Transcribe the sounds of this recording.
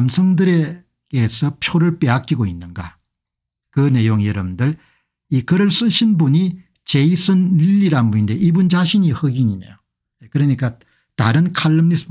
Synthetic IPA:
msʰʌŋdɯɾe̞ | ke̞sʰʌpʰjoɾɯɭp͈e̞ak͈iɡoinːɯnɡa̰ | kɯne̞joŋijʌɾʌbndɯɭ | ikɯɾɯɭs͈ɯɕʰinbuɲi | t͡ɕe̞isʰɯniʎːiɾanbuɲinde̞ʔibund͡ʑaɕʰiɲihɯɡiɲinḛjo | ekɯɾʌɲik͈a | ta̰ɾɯnkʰaɭːɯmnisʰ

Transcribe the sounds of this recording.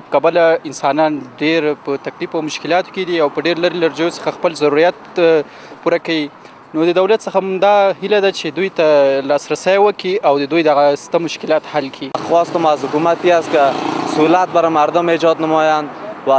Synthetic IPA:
pə̥kabəlaɪnsɑnɑnɖeɾpət̪aklifawmʊʃkɪlɑt̪o̥ked̪iawpəɖeɾləɾelaɾd͡ʒajosə̥xaxpəlzaɾuɾijat̪̚ | puɾakawi | nod̪əd̪awlat̪səxammd̪ɑhilad̪at͡ʃed̪ujt̪alɑsɾasajwəkiawd̪əd̪ujd̪aɣast̪amʊʃkɪlɑt̪halkʰixwɑst̪əmazhʊkumat̪iast̪kasʊlat̪̚baɾamaɾd̪ʊmed͡ʒɑd̪namɑjanwa

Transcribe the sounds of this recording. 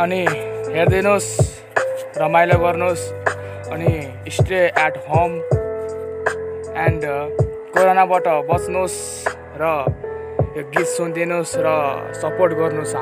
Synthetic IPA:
ʌniɦeɾd̪inos | rʌmajlaɡʌrnos | ʌniː | sʈɾeʔɛʈɦom | ɛɳɖ | koɾonabaʈʌbʌt͡snos | rʌ | ɡit͡ssund̪inosrʌsʌporʈ̚ɡʌrnus

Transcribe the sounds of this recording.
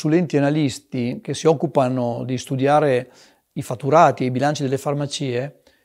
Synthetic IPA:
sulɛnt̪ianalist̪ik̟esːiɔkːupanod̪ist̪ud̪jaːɾe | ifat̪ːuɾaːt̪iejbilant͡ʃid̪elːefarmat͡ʃiːe

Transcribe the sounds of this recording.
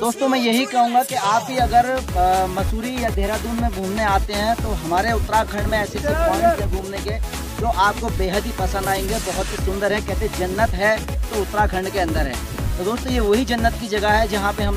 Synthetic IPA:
d̪oːst̪õmɛ̃ːjɐɦikɐɦũːŋɡakiaːpɦiɐɡəɾmɐsuːɾijad̪ʱeːɾad̪uːnmẽɡʱũːmneaːt̪eɦɛ̃t̪oɦɐmaːɾeʊt̪ɾakʰɐ̃ɳɖmẽɛːset̪ɐaːnimẽɡʱũːmneke | d͡ʒoːʔaːp̚kobeːɦəd̪ɦipɐsə̃nd̪aːẽːŋɡebɐɦʊt̪ɦisʊ̃nd̪əɾɦɛ̃kɛɦt̪ẽd͡ʒɐnːət̪ɦɛt̪oʊt̪ːɾakʰɐ̃ɳɖkeɐ̃nd̪əɾɦɛ̰ː | t̪od̪oːst̪õjeʋɐɦid͡ʒɐnːət̪kid͡ʒɐɡaɦɛd͡ʒɐɦãpeɦɐm

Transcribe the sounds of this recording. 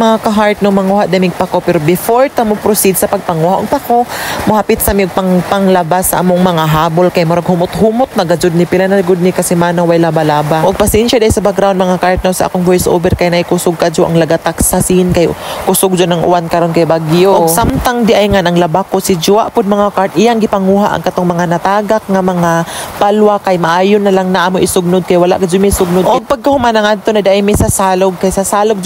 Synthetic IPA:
mɐŋakaɦaɾt̪̚nomɐŋuhaʔd̪ɛmɪɡ̚pakopɛɾobɪfoɹt̪amopɾosid̪sɐpɐɡ̚pɐŋuhaʔʊɡ̚pakomʊhapɪt̪sɐmiʊɡ̚pɐŋpɐŋlɐbasɐ̰ʔamoŋmɐŋaɦaːbolkajmoɾaɡhʊmʊt̪ɦumʊt̪̚nɐɡad͡ʒʊd̪̚nɪpɪlanalɡʊd̪nɪkɐsɛmaːnawajlabalaːbaʔʊɡ̚pɐsɛnʃad̪ajsɐbakɾawnd̪mɐŋakaɾt̪̚nawsɐʔa̰koŋvojsʔo̰ːbɛɾkajnɐɪkʊsʊɡ̚kad͡ʒoʔa̰ŋlɐɡat̪aksasinkajkʊsʊɡ̚d͡ʒonɐŋʔʊ̰ʔankɐɾonkajbaɡjoʔoɡsamt̪aŋd̪ɪʔajŋanʔɐŋlɐbakosɪd͡ʒʊaʔpʊd̪̚mɐŋakaɾt̪ʔɪjaŋɡɪpɐŋuːɦaʔɐ̰ɡkɐt̪oŋmɐŋanɐt̪aːɡak̚ŋamɐŋapalwakajmɐʔaːjʊnːɐlaŋnɐʔamoʔɪsʊɡ̚nʊd̪̚kajawala̰ʔkad͡ʒomajsʊɡ̚nʊd̪ʔoɡ̚pɐɡ̚kahʊmanɐŋad̪̚t̪onɐd̪aʔajmɛsasaːloɡ̚kajsasaːloɡ̚d͡ʒ

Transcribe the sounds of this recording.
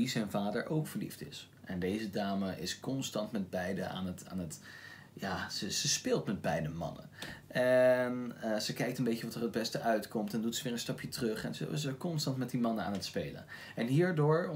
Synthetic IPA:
izɛjnvaːdəɹʔowkfəɹlḭftɪ̰s | ʔɛndejzədaːməʔɪ̰skɔnstɑntmɛd̚bɛjdəa̰ːnəta̰ːnət | jaːzəzəspɪːlˠtmɛd̚bɛjdəmɑ̰nə̰ʔɛnəzəkɛjk̚tənbejcəʋɑtəɹɦəd̚bɛstəʔœɥtkɔmtɛndutsəʋɪːɹənstɑpjətrɵχɛnzə̰ɪ̰zəkɔnstɑntmɛt̚dimɑnəa̰ːnətspejlə̰n | ɛnɦiːɹdʊːɹ

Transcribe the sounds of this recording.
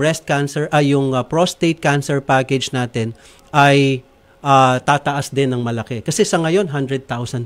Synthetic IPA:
ɹɛst̪̚kansɛɹʔɐjjːʊŋɐpɹost̪ejt̪̚kansɛɹpaːkɛd͡ʒnaːt̪ɪn | ʔɐj | ʔat̪aːt̪ɐʔasd̪ɪnːɐŋmɐlɐkɛkɐsɛsɐŋɐjo̞nɦand̪ɹɛd̪̚t̪awsɐn

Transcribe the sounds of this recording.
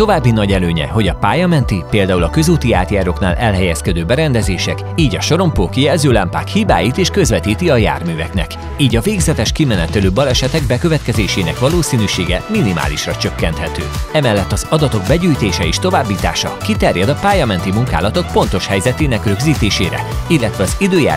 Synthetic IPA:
t̪o̞vaːbːinɒɟɛløːɲɛ̰ɦo̞ɟɒpaːjɒmɛnt̪ipeːld̪aːulɒkø̞zuːt̪iaːt̪jaːɾo̞knaːlʔɛlɦɛjɛskɛd̪øːbɛɾɛnd̪ɛzeːʃɛk | iːɟɒʃo̞ɾo̞mpoːkijɛlzøːlampa̰ːkhiːba̰ːjit̪eːʃkø̞zvɛt̪iːt̪iɒja̰ːrmyːvɛknɛ̰k | iːɟɒveːɡzɛt̪ɛʃkimɛnɛt̪øløːbɒlɛʃɛt̪ɛɡ̚bɛkøvɛt̪kɛzeːʃeːnɛkʋɒloːsiːnyʃeːɡɛ̰minima̰ːliʃrɒt͡ʃø̞kːɛnt̪hɛt̪ø̰ːɛmɛlːɛt̪ːɒzɒd̪ɒt̪o̞ɡ̚bɛɟyːjt̪eːʃɛeːʃt̪o̞vaːbːiːt̪a̰ːʃɒkit̪ɛrjɛd̪ɒpaːjɒmɛnt̪imuŋka̰ːlɒt̪o̞k̚po̞n̪t̪o̞ʃhɛjzɛt̪eːnɛkrø̞ɡziːt̪eːʃeːɾɛ̰ilːɛt̪ʋɛɒzid̪øːja̰ː

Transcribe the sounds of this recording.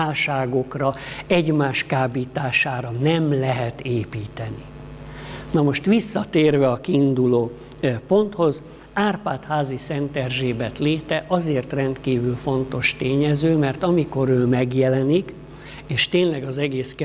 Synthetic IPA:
aːlʃaːɡo̞krɒɛɟmaːʃkaːbiːt̪aːʃaːɾɒnɛmlɛɦɛt̪eːpiːt̪ɛni | nɒmo̞ʃt̪ʋisːɒt̪eːrvɛɒkiːnd̪uloː | po̞nt̪ho̞z | aːrpaːt̪haːzisɛnt̪ɛrʒeːbɛt̪leːt̪ɛʔɒzeːrt̪rɛnt̪kiːvylfo̞nt̪o̞ʃt̪eːɲɛzøːmɛrt̪ɒmiko̞ɾøːmɛɡjɛlɛnik | eːʃt̪eːnlɛɡɒzɛɡeːskɛ

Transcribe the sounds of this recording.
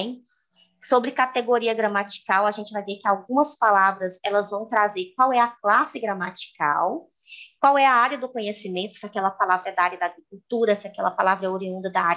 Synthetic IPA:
sobɾɪkat̪eɡoɾiɐɡɾɐmat͡ʃi̥kawɐʒẽnt͡ʃɪvajvekɪawɡũmɐspalavɾɐzɛlɐzvɐ̃w̃t̪ɾazeɾk̚wawɛɐklasɪɡɾɐmat͡ʃi̥ka̰w | kwawɛɐaɾjɐd̪ʊkõɲesimẽnt̪ʊ̥sɪakɛlɐpalavɾɐɛd̪ɐaaɾjɐd̪aɡɾik̚uwt̪uɾɐsɪakɛ̰lɐpalavɾɐoɾiũnd̪ɐd̪ɐaɾ

